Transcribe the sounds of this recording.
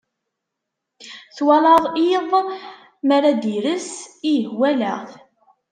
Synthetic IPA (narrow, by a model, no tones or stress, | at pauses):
θwɑlɑðˤiðˤ | məɾad̪iɾəsijəhwæləʁ